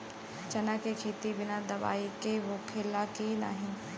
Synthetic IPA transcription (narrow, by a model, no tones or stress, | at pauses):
t͡ɕɐnakʰekʰeːt̪ibɪnad̪ɐʋa̰ːikeɦokʰelakĩːna̰ːɦɪnɪ̆